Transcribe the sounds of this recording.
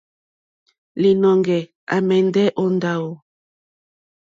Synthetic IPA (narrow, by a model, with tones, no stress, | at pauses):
li˨nɔ˨ŋɡɛ˨ | a̰˨mɛ˨ndɛ˦ʔo˨nda˨o˨